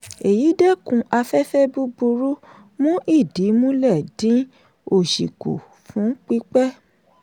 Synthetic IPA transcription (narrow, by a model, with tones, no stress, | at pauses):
e˨ji˨˦dɛ˦kũ˧ʔa˧fɛ˦fɛ˦bu˦bu˧ɾu˦ | mũ˦ʔi˦˨di˨˦mũ˦lɛ˦˨dĩ˨˦ | o˦˨ʃi˨ko̰˨ | fũ˨˦k͡pi˦k͡pɛ˦